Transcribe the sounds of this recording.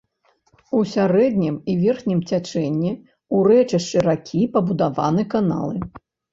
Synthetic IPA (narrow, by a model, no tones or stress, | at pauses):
usʲaɾɛd̪nʲimivʲɛrxnʲimt͡sʲat͡ʂɛnʲːi | uɾɛt͡ʂɨʂt͡ʂɨɾakʲʰipɐbud̪ava̰nɨkana̰lˠɨ